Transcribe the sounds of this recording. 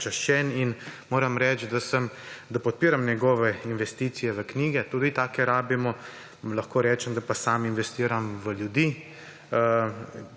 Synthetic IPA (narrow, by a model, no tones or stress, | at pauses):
t͡ʃaʃt͡ʃɛninmoːɾɐmɾɛt͡ʃd̪asəmd̪apɔt̪̚piːɾamnjɛɡɔːʋɛinʋɛst̪iːt̪sijɛʋəkniːɡɛt̪uːd̪it̪aːkɛɾaːbimɔ | laxkoːɾɛːt͡ʃɛmd̪apasaːminʋɛst̪iːɾamʋəljud̪iː